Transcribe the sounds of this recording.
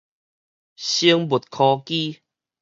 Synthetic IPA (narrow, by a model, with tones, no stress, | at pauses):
ɕi˧əŋbu˨˩t̪̚kʰɔ˧ki˦˧